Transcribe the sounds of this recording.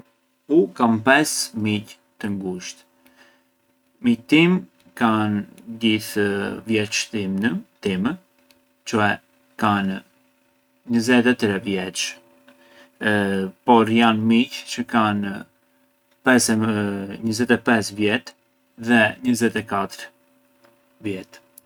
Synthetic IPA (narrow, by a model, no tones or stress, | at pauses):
ukanpɛsmic | t̪əŋɡuʃt̪ | mit̪im | kand̪iθvjɛt͡ʃt̪imnət̪imə | t͡ʃɔɛ | kan | ɲəzɛt̪ɛt̪ɾɛvjɛt͡ʃ | pɔɾjanmict͡ʃəkan | pɛsɛɲəzɛt̪ɛpɛsvjɛt̪ | ðɛɲəzɛt̪ɛkat̪əɾ | vjɛt̪